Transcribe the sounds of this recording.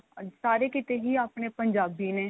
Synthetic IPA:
saːɾeːkɪt̪eːɦiːaːpneːpəɲd͡ʒaːbineː

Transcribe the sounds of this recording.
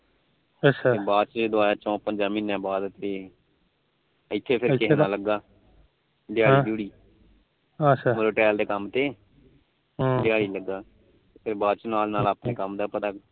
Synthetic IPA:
əaebaːt͡ʃːd̪ʊaːjaːt͡ʃɔ̃ːpəɲd͡ʒaːmiːnːãːbaːd̪t̪eː | ɪt̪ʰːeːpʰɪɾkɪɦnaːləɡːaː | d̪ɪjaːɽiːd̪uːɽiː | əamloːʈɛːld̪eːkəmt̪eː | d̪ɪjaːɽiːləɡːaː | pʰɪɾbaːt͡ʃnaːlnaːlaːpneːkəmd̪aːpət̪aː

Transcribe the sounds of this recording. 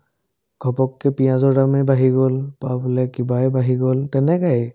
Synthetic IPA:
ɡ̥ʱɔpɔkːɛpijãzɔɹdamibaɦiɡɔlpabɔlɛkibajbaɦiɡɔltɛnɛkaj

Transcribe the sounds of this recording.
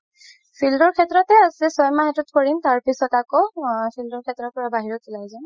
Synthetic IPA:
pʰildɔɹkʰɛtɹɔtɛasɛsɔjmaɦɛtutkɔɹintaɹpisɔtakɔpʰildɔɹkʰɛtɹɔpɔɹabaɦiɹɔtʰilajzɔn

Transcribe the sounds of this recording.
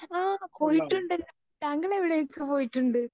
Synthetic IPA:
aːpoːjiʈːuɳɖɐlːɐ | t̪ɐŋɡɐɭeʋɪɭɐjɐkːupoːjiʈːuɳɖɯ

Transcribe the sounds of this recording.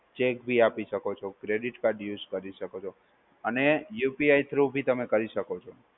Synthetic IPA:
t͡ʃekbʱiapiʃəkot͡ʃʰokɾeɖiʈkaɖjuzkəɾiʃəkot͡ʃʰo | ənejupiajt̪ʰɾubʱit̪əmekəɾiʃəkot͡ʃʰo

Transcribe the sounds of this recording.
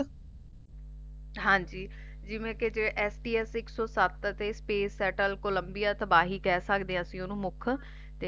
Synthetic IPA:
ɦãːɲd͡ʒiː | d͡ʒɪʋẽːked͡ʒeʔɛːsʈiːɛːsɪksɔːsət̪ət̪eːspeːsːɛːʈəlkoləmbijaːt̪əbaːɦiːkɛːsəkd̪eːãːsĩːonũːmʊkʰ | t̪e

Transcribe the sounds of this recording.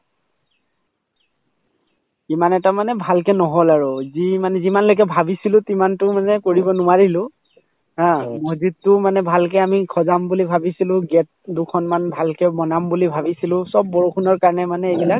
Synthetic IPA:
imanɛtamanɛbʱalkɛnɔɦolaɹuzimanɛzimanlojk̬ɛbʱabisilʊ̃timantʊmanɛkoɹibɔnʊaɹilʊ̃ | ɦãmozitːʊmanɛbʱalkɛamikʰɔzambulibʱabisilʊ̃ɡɛt̚dukʰɔnmanbʱalkɛmɔnambulibʱabisilʊ̃sɔb̚ːɔɹuxʰunɔɹkaɹnɛmanɛebilak

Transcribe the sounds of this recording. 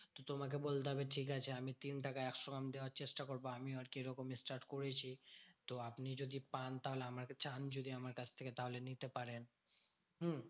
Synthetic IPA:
t̪ot̪omak̬ebolt̪eɦɔbeʈʰikat͡ɕʰeamit̪inʈakaɛkʃokamd̪eoaɾt͡ɕeʃʈakoɾboamioaɾkeɾɔkomesʈaɾʈkoɾet͡ɕʰit̪oapnid͡ʑod̪ipant̪aɦoleamaɾt͡ɕand͡ʑod̪iamaɾkat͡ɕʰt̪ʰeket̪aɦolenit̪epaɾen | ɦ̩

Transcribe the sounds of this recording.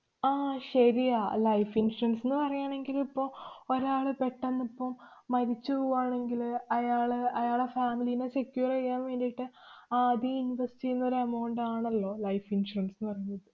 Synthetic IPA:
aːɕɐjɾijaːlɐjfinsʂurɐnsenːɨpɐrɐjaːɳe̞ŋɡilipːoːoɾaːɭɨpe̞ʈːɐnːipːɐmːɐɾit͡ɕːupoːaːɳe̞ŋɡilɐjaːɭɨɐjaːɭefaːmilijine̞sekjuːrɐijːaːnʋe̞ːɳɖijiʈːɨaːðiinʋɐsʈienːɐɾeɐmɐwɳɖɨaːɳɐlːo̞ːlɐjfinʂurɐnsenːɨpɐrɐjunːɐðɨ

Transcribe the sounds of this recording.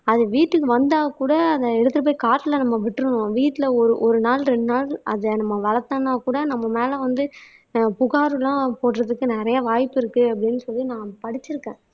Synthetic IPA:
ɐðɯʋiːʈːɯkːɯʋɐnd̪aːɣɐkuːɽɐːðɐɛɽɯt̪ːɐp̬ːoːjkaːʈːɪlɐnɐmːɐʋɪʈːɾɯ̃õʋiːʈːɪlɐɔɾɯʔɔɾɯnaːlɾɛɳɖɯnaːlɐðɐnɐmːɐʋɐlɐt̪ːanaːkuːɽɐnɐmːɐmeːlɐʋɐnd̪ɯ | pʊɣaːɾɯlãːpoːʈːɾɐðɯkːɯnɪɾɐjɐʋaːjpːɪɾɯkːɯɐpːɐɽɪnːɯsɔlːinãːpɐɽɪt͡ʃːɪɾɯkːẽː

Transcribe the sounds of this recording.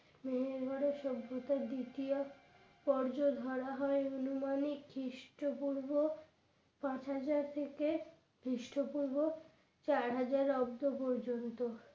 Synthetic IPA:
meɦeɾbʱaɾeɾʃɔbʱːot̪aɾd̪it̪io | pɔɾd͡ʑod̪ʱɔɾaɦɔeonumanikʰːiʃʈopuɾbo | pãt͡ɕɦad͡ʑaɾt̪ʰeke | kɾiʃʈopuɾbo | t͡ɕaɾɦad͡ʑaɾɔbd̪opɔɾd͡ʑont̪o

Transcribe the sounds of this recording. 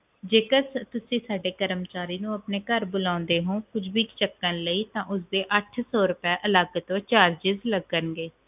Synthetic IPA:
d͡ʒeːkəst̪ʊsĩːsaːɖeːkəɾəmt͡ʃaːɾiːnũːəpneːkəɾbʊlãːʊnd̪eːɦõːkʊd͡ʒbiːkt͡ʃəkːənləiːt̪ãːʔʊs̬d̪eːʔəʈʰsɔːɾʊpɛːʔəlaːɡət̪õːt͡ʃaːɾd͡ʒɪzləɡənɡeː

